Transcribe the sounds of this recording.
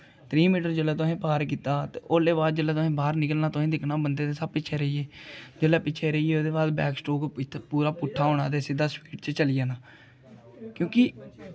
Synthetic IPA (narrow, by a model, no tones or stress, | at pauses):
t̪ɾiːmiːʈəɾd͡ʒəlɛːt̪ʊẽːpaːɾk̬iːt̪aːt̪ḛːʔoːleːbaːd̪̚d͡ʒəlɛːt̪ʊsĩːbaːɾnɪkəlnaːt̪ʊsĩːd̪ɪkʰnaːbənd̪eːt̪eːsəb̚pɪt͡ʃʰeːɾəiːeːd͡ʒəlɛːpɪt͡ʃʰeːɾəieːoːd̪eːbaːd̪bɛ̰ːksʈoːk̪ʰpuːɾaːpʊʈʰːaːɦoːɳã̰ːt̪eːsɪd̪aːspiːʈt͡ʃət͡ʃəlɪjaːnaː | kjõːkɪ